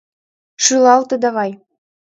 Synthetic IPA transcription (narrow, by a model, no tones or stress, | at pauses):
ʃɯlˠɑlt̪ɤ̆d̪ɑβɑj